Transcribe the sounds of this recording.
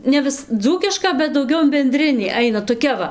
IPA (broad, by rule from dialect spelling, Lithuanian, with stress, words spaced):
nʲɛ ˈʋʲɪs ˈd͡zuːkʲɪʃkɐ bʲɛt dɐʊˈɡʲɛʊ ɪn bʲɛnʲˈdʲrʲɪnʲiː ˈɐɪnɐ toːˈkʲɛ ʋɐ